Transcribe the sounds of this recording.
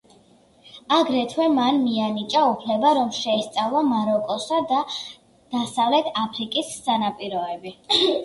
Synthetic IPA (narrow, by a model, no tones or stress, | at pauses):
aɡɾɛt̪ʰwɛmanmianit͡ʃʼaupʰlɛbaɾɔmʃɛːst̪sʼavlˠamaɾɔkʼɔsad̪a | d̪̥asavlɛt̪ʰapʰɾikʼisːanapʼiɾɔɛbi